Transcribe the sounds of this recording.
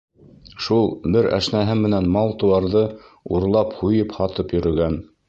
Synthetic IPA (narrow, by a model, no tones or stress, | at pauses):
ʃulˠbɘɾæ̰ʃnæɦɘmɘ̆nænmɑlˠt̪ŭwɑɾðɤ | uɾlˠɑphujɤphɑt̪ɤpjɵ̆ɾɵ̆ɡæn